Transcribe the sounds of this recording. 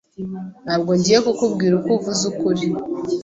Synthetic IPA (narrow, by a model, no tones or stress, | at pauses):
n̥haːbɡoːɲɟiːje̞kukubɡiːɾukuvuzukuɾi